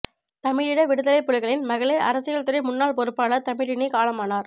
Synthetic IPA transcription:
t̪ɐmɪɻɪɽɐʋɪɽɯðɐlɐɪpːɔɻɪɣɐɭɪnmɐɣɐɭɐʔɐ̰ɾɐsɯɣɐɭt̪ɐɾɪmʊnːaːɭpɔɾɯpːaːɭɐt̪ɐmɪɻɪniɪkaːɭɐmaːnaːɾ

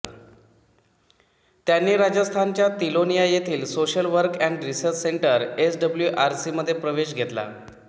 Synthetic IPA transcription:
t̪janːiːɾad͡ʑəst̪ʰant͡ɕjat̪ilonijajet̪ʰiːlsoɕəlʋəɾkɛ̃ɳɖɾisəɾt͡ɕseɳʈəɾesɖəbljuʔaɾsiːməd̪ʱːjepɾəʋeɕ̬ɡʱet̪la̰

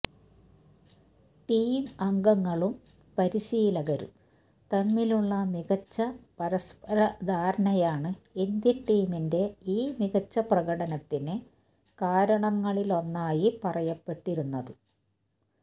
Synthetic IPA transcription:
ʈiːmɐŋɡɐŋːɐɭum | pɐɾiɕijlɐɣɐɾṵm | t̪ɐmːiluɭːɐmiɣɐt͡ɕːɐpɐɾɐspɐɾɐd̪ʱaːɾɐnɐjaːɳɨind̪jɐʈːiːminde̞iːmiɣɐt͡ɕːɐprɐɣɐɽɐnɐt̪ːinɨ | kaːɾɐɳɐŋːɐɭilo̞nːaːjipɐrɐjɐpːe̞ʈːiɾunːɐðɨ

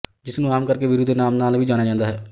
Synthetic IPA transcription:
d͡ʒɪsnũːaːmkəɾkeːʋɪɾʊd̪ʱnaːmnaːlʋiːd͡ʒaːnaːd͡ʒãːnd̪aːɦɛː

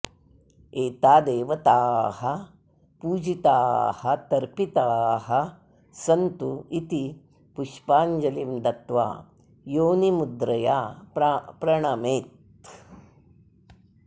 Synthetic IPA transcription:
eːt̪aːd̪eːʋɐt̪aːhɐ | puːd͡ʒit̪aːhɐt̪ɐɾpit̪aːɦɐ | sɐnt̪uit̪i | puʃpaːɲd͡ʒɐlimd̪ɐt̪ʋa̰ː | joːnimud̪ɾɐja̰ː | pɾɐɳɐmeːt̪

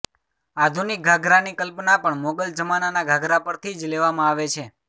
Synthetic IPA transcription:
ad̪ʱunik̚ɡʱaɡɾanikəlpnapəɳmoɡəld͡ʒəmananaɡʱaɡɾapəɾt̪ʰid͡ʒleʋamãaʋet͡ʃʰe

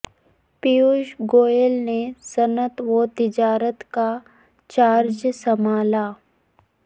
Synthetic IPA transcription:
pijuʃɡoːjelnesɐnət̪ʋot̪ɪd͡ʒaːɾət̪ka | t͡ʃaːɾd͡ʒsɐmaːlaː

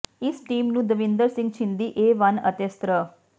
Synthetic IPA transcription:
ɪsʈiːmnũːd̪əʋɪ̃nd̪əɾsɪ̃ŋɡ̚t͡ʃʰɪ̃nd̪iːʔeːʋɐnə̰t̪est̪ɾə

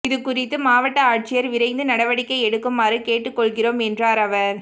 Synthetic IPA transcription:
ɪðɯkːʊrɪt̪ːɯmaːʋɐʈːɐaːʈ̚t͡ʃɪjɐɾʋɪɾɐɪnd̪ɯnɐɽɐʋɐɽɪkːɐɪɛɽɯkːɯmaːɾɯkeːʈːɯkːɔɭɣɪroːmɛndraːɾɐʋɐɾ

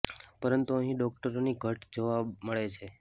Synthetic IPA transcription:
pəɾənt̪uəɦĩɖɔk̚ʈəɾoniɡʱəʈd͡ʒoʋaməɭet͡ʃʰe

